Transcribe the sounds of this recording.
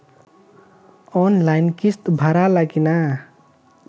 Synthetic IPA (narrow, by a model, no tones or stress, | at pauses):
ɔnlajnkist̪bʱaɾalaɡina